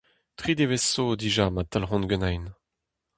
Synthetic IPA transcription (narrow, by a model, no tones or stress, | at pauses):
t̪χid̪evesod̪iʒamat̪alʁɔ̃nɡønajn